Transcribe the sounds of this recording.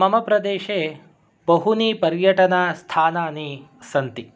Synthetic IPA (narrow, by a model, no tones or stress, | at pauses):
mɐmɐpɾɐd̪eːʃeː | bɐɦuniːpɐɾjɐʈɐnaːst̪ʰaːnaːnisɐnt̪i